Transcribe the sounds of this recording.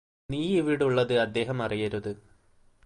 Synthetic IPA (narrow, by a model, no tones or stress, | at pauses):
niːiʋiɽuɭːɐðɨɐd̪ːe̞ːɦɐmɐrijɐɾuðɨ